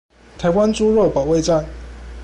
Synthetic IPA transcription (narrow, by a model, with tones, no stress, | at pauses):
t̪ʰa˨˧˥ɪwa˦nt͡su˥ɻo˥˩ʊpɑ˨˩ʊwe˥˧t͡sa˥˨n